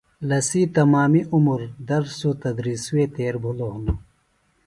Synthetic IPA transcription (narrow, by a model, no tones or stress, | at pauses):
lɐsiːt̪ɐmaːmiʔumuɾd̪ɐɾsut̪ɐd̪ɾiːsuweːt̪eːɾbʱuloːɦnu